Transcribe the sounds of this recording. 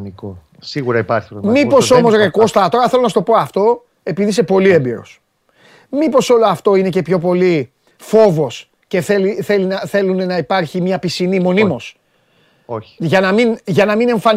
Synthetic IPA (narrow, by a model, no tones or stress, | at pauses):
niko | siɣuɾɐipɐɾçit̪ommipo̞somo̞sɾe̞ko̞st̪ɐt̪o̞ɾɐθe̞lonɐst̪o̞po̞ɐft̪o̞ | e̞piðis̬e̞po̞lie̞mbiɾo̞̰s | mipo̞so̞loɐft̪o̞ine̞ce̞pço̞p̬o̞li | fo̞vo̞s | ce̞θeliθe̞linɐθe̞lune̞nɐipɐɾçimɲɐpisinimo̞nimo̞s | oçi̥ʝɐnɐminʝɐnɐmine̞ɱfɐn